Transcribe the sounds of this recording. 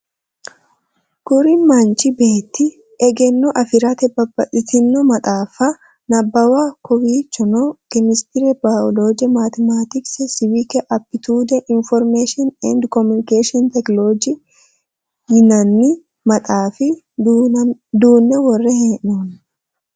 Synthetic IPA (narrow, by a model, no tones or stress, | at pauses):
ɡ̥ʊɾinmant͡ʃɪbe̞ːt̪ːɪ | ʔɛɡɛnːɔʔɐfɪɾat̪ɛbɐbɐʔɪt̪ɪnːɔmɐt̪ʼaːfa | nɐbːɐwaːkɔwiːt͡ʃːɔnokɛmɪst̪ɪɾɛbaɔlod͡ʒɛmat̪ɛmaːt̪ɪksɛsɪwikɛʔɐpːɪt̪uːd̪ɛʔɪnfɔɾmeːʃɪnɛ̰nd̪kɔmʊnɪkeːʃɪɔnt̪ɛkloːd͡ʒi | hɪnɐnːɪ | mɐt̪ʼaːfɪ | d̪uːnːɛwɔrːɛhɛnːon